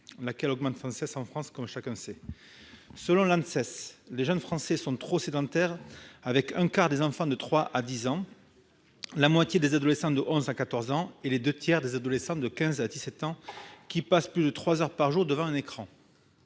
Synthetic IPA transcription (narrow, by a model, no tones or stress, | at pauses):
lakɛlɔɡmɑ̃t̪fχɑ̃sɛsɑ̃fχɑ̃skɔmʃakɛ̃sɛ | səlɔ̃lɑ̃nsɛsleʒœnfχɑ̃sɛsɔ̃t̪χosed̪ɑ̃t̪ɛʁavɛkɛ̃kaʁd̪ezɑ̃fɑ̃d̪ət̪χwaʔad̪izɑ̃ | lamwat̪ʲjed̪ezad̪ɔlesɑ̃d̪əʔɔ̃zakat̪ɔʁzɑ̃eled̪øt̪jɛʁd̪ezad̪ɔlesɑ̃d̪əkʲɛ̃zad̪isɛt̪ɑ̃kʲipasplyd̪ət̪χwazœʁpaʁʒuʁd̪əvɑ̃ɛ̃nekχɑ̃